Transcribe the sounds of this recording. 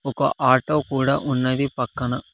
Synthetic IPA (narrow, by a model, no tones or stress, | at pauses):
ɔkɐʔaːʈoːkuːɽaːʔunːɐd̪ipɐkːɐnɐ